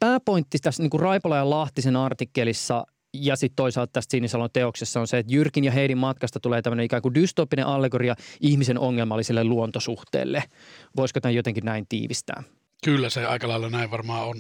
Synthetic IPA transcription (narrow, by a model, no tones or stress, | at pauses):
pæːpoint̪ːit̪æsniːŋkurrɑipolɑjɑlɑht̪isenɑrt̪ikːelisːɑ | jɑsit̪t̪oisɑlt̪t̪æst̪sinːisɑlot̪eoksesːɑonseet̪jyrkinjɑɦeidimmɑt̪kɑst̪ɑt̪uleːt̪æmːøneikæːŋkudyst̪oːpːineʔɑlːeɡoriɑihmisenoŋːelmɑlːisilːeluont̪osuht̪ḛːlːeʋoiskot̪æjot̪eŋkinnæint̪ḭːʋist̪æ̰ː | kylːæseɑ̰ˑikɑlɑˑelːɑnæˑiʋʋɑrmɑːon